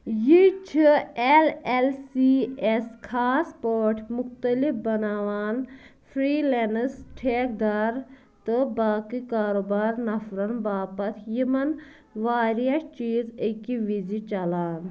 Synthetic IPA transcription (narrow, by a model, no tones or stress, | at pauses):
jit͡ʃʰielelsieskʰaːspoːʈʰmuxt̪ɐlifbɐnaːʋaːnfʰɾiːlenəsʈʰeːk̚d̪aːɾ | t̪ɨbaːkikaːɾoːbaːɾnɐfɾɐnbaːpɐt̪ʰjimɐn | ʋaːɾijɐʃt͡ʃiːzəkiʋizit͡ʃɐlaːn